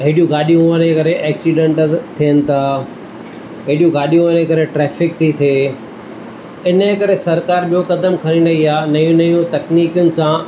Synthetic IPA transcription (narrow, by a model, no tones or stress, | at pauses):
ɦɪːɗijũɡaːɗijũɐnekɐɾeʔɛːksiɖẽɳʈt̪ʰijənɪ̆t̪ʰaː | ɦɪːɗijũɡaːɗijũɐnekɐɾeʈɾɛːfɪk̚t̪ʰit̪ʰeː | ɪnəkɐɾesɐɾkaːɾɓijokɐd̪əmkʰɐɾĩnd̪ɐiaːnɐjũnɐjũt̪ɐkniːkjʊnɪ̆sã